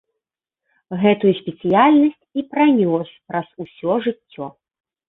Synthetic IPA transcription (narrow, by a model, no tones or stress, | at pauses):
ɣɛt̪ujusʲpʲɛt̪sɨjalʲnɐsʲt͡sʲipɾanʲɔspɾɐzusʲɔʐɨt͡sʲːɔ